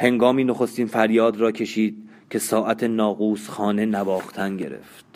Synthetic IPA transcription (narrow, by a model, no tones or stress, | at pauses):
he̞ŋɡɒːmiːnoxo̞st̪infæɾjɒːd̪rɒːcʰe̞ʃiːd̪̚ | cʰe̞sɒːʔæt̪ʰe̞nɒːɣuːsxɒːne̞næbɒːxt̪ʰænɟe̞̰ɾḛft̪